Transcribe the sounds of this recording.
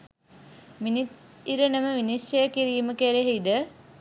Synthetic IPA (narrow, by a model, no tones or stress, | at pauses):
minit̪iɾənəməʋinisɐjɐkiɾiːməkeɾeɦeid̪ə